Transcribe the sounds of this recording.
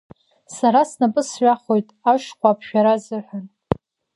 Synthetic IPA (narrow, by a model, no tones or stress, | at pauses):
saɾasnapʼɨsɥʷᶣaχo̞jtʼaʃkʷapʰʃᶣaɾazɨħʷᶣan